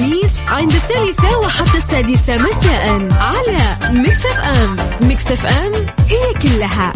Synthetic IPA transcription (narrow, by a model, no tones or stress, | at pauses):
miːsʕɪnd̪ɪθːaːlɪsawaħat̪ːasːaːd̪ɪsamasaːʔɪlʕalamɪksafʔaːmːɪksafʔaːmʔɪjakʊlːaɦa